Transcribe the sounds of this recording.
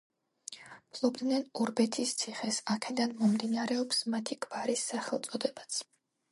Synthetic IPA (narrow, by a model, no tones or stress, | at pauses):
pʰlˠɔbd̪nɛnuɾbɛt̪ʰist̪sʰiχɛsakʰɛd̪anmɔmd̪inaɾɛɔpsmat̪ʰiɡʰʼbaɾisːaχɛlˠt̪sʼɔd̪ɛbat̪sʰ